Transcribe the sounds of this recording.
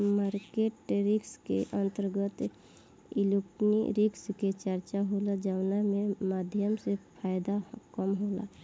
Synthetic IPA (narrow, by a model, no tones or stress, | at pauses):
maːɾkeʈɾɪkskeʔə̃nt̪əɾɡət̪ | iluknḭɾɪksket͡ʃəɾt͡ʃaɦolad͡ʒawnamẽmaːd̪ʱjəmsepʰaːjd̪akəmɦola̰